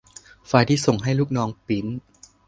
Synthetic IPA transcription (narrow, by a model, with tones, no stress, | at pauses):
fa˧jt̪ʰiː˥˩so˨˩ŋɦa˥˩jlu˥˩k̚nɔː˦˥ŋpi˩˦n